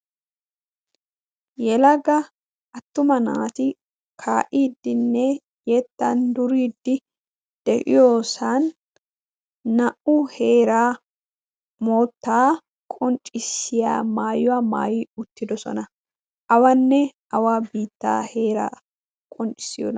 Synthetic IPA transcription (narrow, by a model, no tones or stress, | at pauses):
jɛlɐɡɐ | ʔɐt̪ːʊmɐna̰ːt̪ɪ | kʰaːʔiːd̪ːɪnːɛ | jɛt̪ːɐnd̪ʊɾiːd̪ːɪ | d̪̥ɛʔɪ̰joːsan | ɐʔʊhe̞ːɾaː | moːt̪ːaː | kʼɔnt͡ʃʼɪsːɪja̰ːmaːjʊwama̰ːjiʊt̪ːɪd̪ɔsɔ̰nɐ | ʔɐwɐnːɛ | ɐwabiːt̪ːa̰ːhe̞ːɾa̰ː | kʼɔnt͡ʃʼɪ̥sɪjɔ̰n